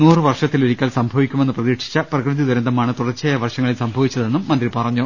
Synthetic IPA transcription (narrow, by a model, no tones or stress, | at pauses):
nuːrɨʋɐrʂɐt̪ːiluɾikʲːaːlsɐmbʱɐʋikʲːume̞nːɨprɐðiːʈʂi̥t͡ɕːɐprɐkrɨðid̪ɐɾɐnd̪ʱɐmaːɳɨt̪uɽɐrt͡ɕːeːjɐʋɐrʂɐŋːɐɭilsɐmbʱɐʋit͡ɕːɐðe̞nːumːɐnd̪ripɐrɐɲːɐ